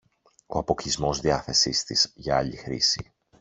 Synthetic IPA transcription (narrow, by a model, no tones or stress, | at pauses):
o̞̰ɐpo̞kizmo̞zðiɐθe̞sist̪isʝɐɐʎixɾḭsḭ